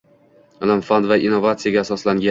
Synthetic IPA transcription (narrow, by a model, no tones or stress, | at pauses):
lɪmfand̪vaʔinːovat̪sɨjaɡʲaːsɒslaŋɡʲa